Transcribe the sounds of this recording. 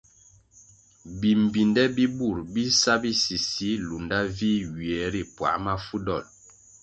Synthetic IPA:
bi˨m˨bi˨ndɛ˦bi˦bu˦˨ɾbi˦sa˦bi˦si˨si˦lu˨nda˦vi˦wi˨ɛ˨˦ɾi˦˨pwa̰˨˦ma˦fu˦dɔ˦˨l

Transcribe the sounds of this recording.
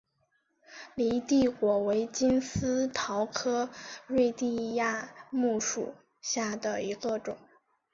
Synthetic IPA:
li˧˥t̪i˥˩kwɔ˨˩we˧˥ɪt͡ɕi˥nsɹ̩˥t̪ʰɑ˧˥ʊkʰɤ˥ɻwe˥˧ɪt̪i˥˧ja˥˧mu˥˩ʂṵ˨˩ | ɕja˥˩d̪ə˩i˧˥ɡə˧ʈ͡ʂʊ̰˨˩˦ŋ

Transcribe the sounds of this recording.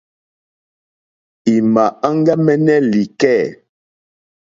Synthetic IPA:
i˨ma˨a˦ŋ˦ɡa˦mɛ˦nɛ˦li˨kɛ˦˨

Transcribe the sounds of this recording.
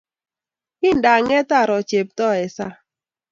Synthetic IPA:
ɪ˦˨n˨da˨ŋɛ˦ta˦˨ɾɔ˨t͡ʃe˨p̚tɔ˦˨ɛ˨sa˦

